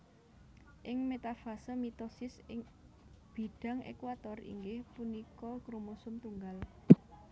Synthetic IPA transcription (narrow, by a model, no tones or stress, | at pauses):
ʔɪŋmet̪afasɔmit̪ɔsɪs | b̥i̤ɖ̥ä̤ŋḛkwat̪ɔrḭŋɡɪhpunikɔɡɾomosʊmt̪uŋɡal